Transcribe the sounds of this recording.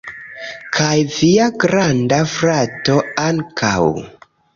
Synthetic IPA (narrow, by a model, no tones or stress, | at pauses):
kʰajviaɡɾandafɾato̞aŋkʰa̰w